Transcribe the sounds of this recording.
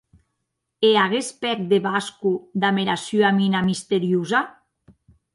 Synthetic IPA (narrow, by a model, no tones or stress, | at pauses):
eaɣ̞espɛk̚d̪eβaskud̪ameɾasjoaminamist̪eɾjuza